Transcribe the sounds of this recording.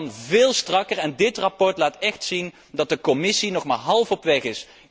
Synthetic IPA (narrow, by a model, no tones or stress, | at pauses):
nvɪːlˠstrɑkərɛndɪtrapɔɹtlaːtɛχtsin | dɑt̚dəkɔmɪsinɔχmaːɹɦɑlˠfɔpʋɛχɪs